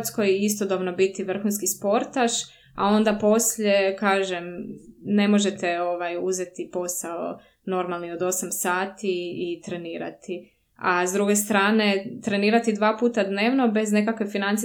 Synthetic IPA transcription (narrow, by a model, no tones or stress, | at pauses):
t̪sko̞jist̪o̞d̪obno̞bit̪iʋr̩xunskispo̞ɾt̪aʃ | a̰o̞nd̪apo̞sʎe̞kaːʒemne̞mo̞ʒe̞t̪e̞o̞ʋajuzet̪ipo̞sao̰ | no̞ɾmalnio̞d̪o̞samsaːt̪iit̪ɾe̞niːɾa̰t̪i | azd̪ɾuɡe̞st̪ɾaːne̞t̪ɾe̞niːɾat̪id̪ʋaːpuːt̪ad̪ne̞ːʋno̞be̞zne̞kakʋefinant̪si